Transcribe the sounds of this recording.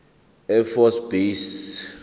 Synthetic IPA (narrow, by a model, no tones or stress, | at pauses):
ɛfɔsbes